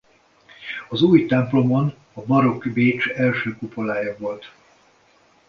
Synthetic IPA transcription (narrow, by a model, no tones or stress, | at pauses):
ɒzuːjt̪ɛmplo̞mo̞n | ɒbɒɾo̞kbeːt͡ʃɛlʃøːkupolaːjɒvo̞lt̪